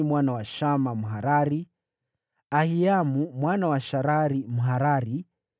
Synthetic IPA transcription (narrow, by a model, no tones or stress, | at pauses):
mwanawaʃamamuɦaɾaɾi | ahiamumwanawaʃaɾaɾimuɦaɾaɾi